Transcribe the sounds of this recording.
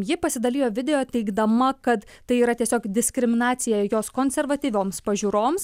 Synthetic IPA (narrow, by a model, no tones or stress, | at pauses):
jɪpɐsʲɪd̪ɐlʲiːjoːʋʲɪd̪ʲɛjoːt̪ʲɛɪɡd̪ɐmɐkɐt̪t̪ɐɪiːɾɐt̪ʲiɛsʲoːkd̪ʲɪsʲkɾʲɪmʲɪnɑːt̪sʲɪjɛjoːskoːnʲsʲɛrʋɐt̪ʲiːʋʲoːmspɐʒʲuːɾoːms